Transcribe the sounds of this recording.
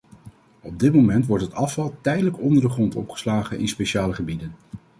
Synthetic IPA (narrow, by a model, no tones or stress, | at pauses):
ɔb̚dɪtmowmɛntʋɔɹtɦətɑfɑlˠtɛjdələkɔndəɹdəχrɔntɔ̰pχə̥slaːχənʔɪ̰nspejʃaːləχəbidən